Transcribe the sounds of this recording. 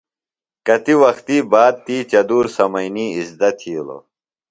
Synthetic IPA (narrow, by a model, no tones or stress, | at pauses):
kɐt̪iwɐxt̪iːbaːd̪̚t̪iːt͡ɕɐd̪uːɾsɐmɐjniːizd̪ɐt̪ʰiːlo̰